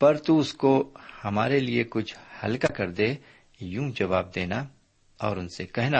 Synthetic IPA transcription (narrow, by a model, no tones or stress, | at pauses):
pɐɾt̪uʊskohɐmaːɾeliekʊt͡ʃʰhɐlkakɐɾd̪eː | jũːd͡ʒɐʋaːb̚d̪eːna | ɔ̰ːɾʊnsekɛɦna